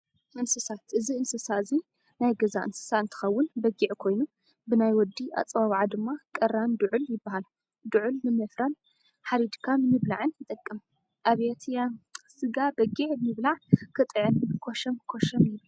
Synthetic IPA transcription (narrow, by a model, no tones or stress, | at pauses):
ɨnsɨsat̪ʔɨziɨnsɨsaɨzi | najɡɐzaʔɨnsɨ̥saɨnt̪ʰɨ̥xɐwːʊnbɐɡiʕkʰo̞jnu | bɨnajwɔd̪ːiʔa̰t͡sʼβaβʕad̪ɨmːakʼɐɾand̪ʊʕʊljɪbːahal | d̪uʕʊlmɨmɐfɾan | ħaɾid̪kʰamɨmɨβlaʕɨnjɪt̪ʼɐkʼːɨm | ʔaβet̪ʰjasɨɡabɐɡiʕɨmɨβlaʕkʰɨt̪ʼɨʕɨnkʰoʃɐmkʰoʃɐmjɪβu